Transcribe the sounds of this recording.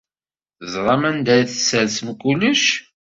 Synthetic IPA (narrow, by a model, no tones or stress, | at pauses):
əzˤʁˤɑmænd̪æjθəsːəɾsəmkulːəʃ